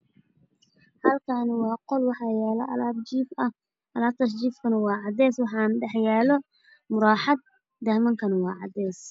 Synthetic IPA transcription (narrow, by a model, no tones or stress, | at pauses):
hɐlkʰanwɑːqɔlwɑħɑːjaːlɐʔɐ̰laːb̚t͡ʃiːfɐ | ʔɐlaːb̚t̪ʰɐʃ̬d͡ʒiːfkʰɐnɐwɑːʕɑd̪ɛːswɑħɑːnɖɛħjaːlɔ | mʊɾɑːħɑd̪̚ | d̪ɐhmɐŋkʰɐnɐwɑːʕɑ̰d̪ɛːs